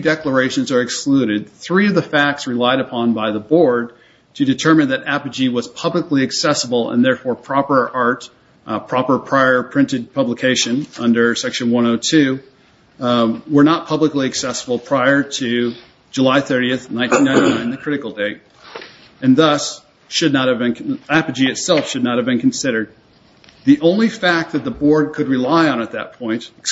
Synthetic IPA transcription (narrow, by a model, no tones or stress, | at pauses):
dɛklə˞eɪʃɨ̃nzə˞ɨksklʉɾɪd̪̥̚θɹiʌvðɨfæk̚tsɹɨlaɪɾɨpʰɑ̃nbaɪðəbɔɹd̚ | tʰɨdɨtʰɜ˞mɨ̃nðɨɾæpɨd͡ʒiwʌz̥pʰʌbləkliɨksɛsəbl̩ˠə̰̃nðɛɹfɔɹpʰɹ̥ɑpə˞ʔɑɹt | pʰɹ̥ɑpə˞pʰɹ̥aɪə˞pʰɹ̥ɪ̃ntɨd̚pʰʌbləkʰeɪʃɨ̃nʌ̃ndə˞sɛkʃɨ̃nwʌ̃ñoʊtʰʉ | wə˞nət̚pʰʌbləkliɨksɛsfl̩ˠpʰɹ̥aɪə˞ɾɨ | d͡ʒɨlaɪθɜ˞ɾiɨθnãɪ̃ntʰĩnːãɪ̃ñinãɪ̃nðɨkʰɹ̥ɪɾɨkl̩ˠdeɪt̚ | ɨ̃nðʌs | ʃɨdⁿnət̚hɨvbɨ̃nkæpɨd͡ʒiɨtsɛlˠfʃɨdⁿnət̚hɨvbɨ̃nkʰn̩sɪɾə˞d̪̚ | ðiʔõʊ̃nlifæk̪̚ðɨt̪̚ðəbɔɹd̚kʰɨd̚ɹɨlaɪə̃ñət̪̚ðɨ̰t̚pʰɔ̃ɪ̃nt